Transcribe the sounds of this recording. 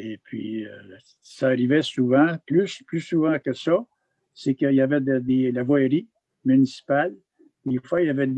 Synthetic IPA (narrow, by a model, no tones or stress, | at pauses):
epʰɥḭø | saːʁivɛsuvãplysplysuvãkəsɔ | sekəijavɛd̪əd̪elavwaeʁi | mynisi̥pal | d̪efwaijavɛd̪